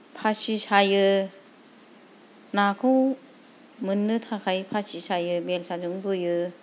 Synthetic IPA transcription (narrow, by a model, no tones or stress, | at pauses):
pʰasisajɯ | nakʰɯw | mɯnːɯtʰakʰajpʰasisajɯbelsʰad͡ʒɯŋbɯjɯ